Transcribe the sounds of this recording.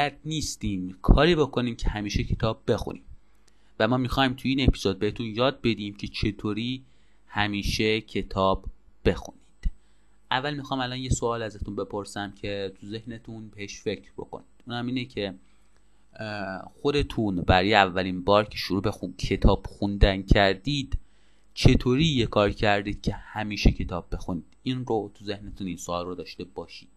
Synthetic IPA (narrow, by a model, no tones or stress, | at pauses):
æt̪niːst̪iːmkʰɒːɾiːbo̞kʰo̞niːmcʰehæmiːʃecʰe̞t̪ʰɒːbːe̞xṵnḭːm | væmɒːmixɒːjmt̪ʰuiːne̞pʰi̥z̥od̪̚behet̪ʰunjɒːd̪̚be̞d̪iːmcʰe̞t͡ʃʰe̞t̪ʰoːɾiː | hæmiːʃe̞cʰe̞t̪ʰɒːb | b̥e̞xṵnid̪̥ | ʔævːælmixɒːmælɒːnjesoɒːlæzæt̪unbe̞pʰo̞ɾsæmcʰe̞t̪ʰuze̞hnet̪ʰunbe̞he̞ʃfe̞cʰɾbo̞̰ko̞̰niːd̪̥ʔuːnæmiːnecʰe̞ | xo̞d̪e̞t̪ʰunbæɾɔːjeævːælinbɒːɾcʰe̞ʃoɾuːbexucʰe̞t̪ʰɒːb̥xund̪æncʰæɾd̪iːd̪̥ | t͡ʃʰet̪ʰoːɾijekʰɒːɾcʰæɾd̪iːd̪̥̚cʲʰe̞hæmiːʃecʰe̞t̪ʰɒːbːe̞xuniːd̪̥inrot̪ʰuze̞hnet̪ʰuninsoɒːlrod̪ɒːʃt̪e̞bɒːʃid̪̥